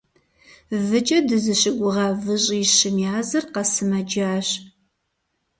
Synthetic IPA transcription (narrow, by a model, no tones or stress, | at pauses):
vɨt͡ʃʼɐdɨzɨɕɪɡʷʊʁɑːvɨɕʼjɪɕɪmjaːzɨrqɐsɨmɐd͡ʒaːɕ